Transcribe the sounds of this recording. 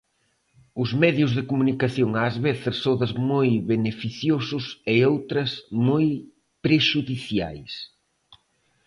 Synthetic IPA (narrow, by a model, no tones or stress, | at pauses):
ʊzmɛðjʊzðɪkumunikaθjoŋaːzβeθɪssoðɐzmojβenefiθjosʊsɪowt̪ɾɐsmoj | pɾeʃuðiθja̰js